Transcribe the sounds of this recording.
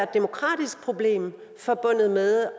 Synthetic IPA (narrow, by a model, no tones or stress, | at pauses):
ɐd̥̚e̝mo̝kʰʁɑ̰̈ːd̥isɡ̥̚pʰʁo̝b̥le̝̰ːm | fɒ̽b̥ɔ̽n̰ð̞̩ˠmeðˠ